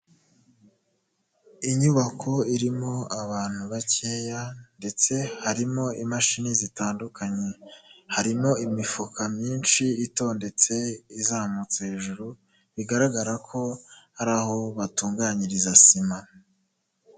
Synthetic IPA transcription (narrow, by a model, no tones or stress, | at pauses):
iɲuβakʰo̞iɾimo̞aβaːn̥huβaceːjande̞t͡se̞haɾimo̞imaʃinizitaːndukʰaɲe̞haɾimo̞imifukʰamɲiːnʃiːto̞ːnde̞t͡se̞izaːmut͡seheʒuɾu | βiɡaɾaɡaɾakʰo̞haɾaːɦo̞βatuːŋɡaɲiɾizasima